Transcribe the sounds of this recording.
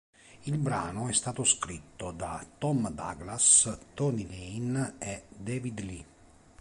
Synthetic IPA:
ilbɾaːnoɛst̪aːt̪oskɾit̪ːod̪at̪ɔmd̪a̰ɡlast̪ɔnileined̪eːvid̪li

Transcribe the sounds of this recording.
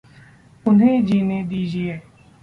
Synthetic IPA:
ʊnẽːd͡ʒiːneːd̪iːd͡ʒiːɛː

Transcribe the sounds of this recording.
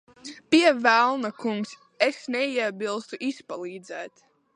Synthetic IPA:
piɛvælˠnakuŋks | esnɛiɛbilˠst̪uʔispalˠiːd̪zɛːt̪

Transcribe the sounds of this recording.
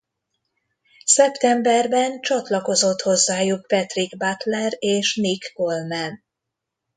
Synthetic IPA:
sɛpt̪ɛmbɛrbɛnt͡ʃɒt̪lɒko̞zo̞t̪ho̞zːaːjuk̚pɛt̪riɡbat̪lɛɾeːʃnikːo̞lmɛn

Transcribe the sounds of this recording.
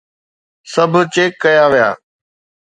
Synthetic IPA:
sɐbʱʊ̆t͡ɕeːkːɐjaʋija̰ː

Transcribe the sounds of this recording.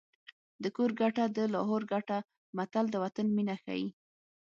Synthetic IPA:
d̪əkoɾɡaʈad̪əlɑɦoɾɡaʈa | mat̪ald̪əwat̪anminaxa̰jḭ

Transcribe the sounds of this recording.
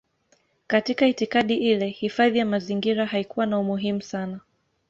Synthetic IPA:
katikaitikaɗiʔilɛhifaðijamaziŋɡiɾahaikuwanaumuɦimusana

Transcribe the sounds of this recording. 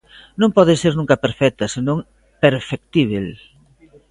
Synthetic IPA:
nõŋpɔðeseɾnũŋkɐpeɾfɛk̚t̪ɐsenõŋ | peɾfek̚t̪iβ̞el

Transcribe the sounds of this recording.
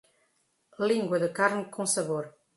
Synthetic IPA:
lĩŋɡwəðəkaɾnkʰõsaβoɾ

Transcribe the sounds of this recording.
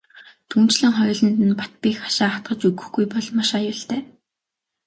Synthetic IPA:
t̪ʰumt͡ɕɮɘ̆ŋχɔjɮɞ̆nt̪ɘ̆npḁt̪̚piːxḁʃaːχat̪̚ɢə̆t͡ɕɵɣɵ̆xɡujpɔɮmaʃajʊːɬt̪æː

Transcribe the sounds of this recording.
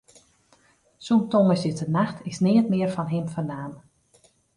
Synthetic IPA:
suntoŋəsɪsənaxtʰɪsnɪːətmɪːərfɔnɦɪmfərnaːn

